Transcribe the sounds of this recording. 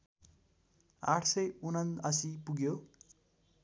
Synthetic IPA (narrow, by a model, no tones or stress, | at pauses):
a̰ʈʰsʌjunʌnʌsipuɡjo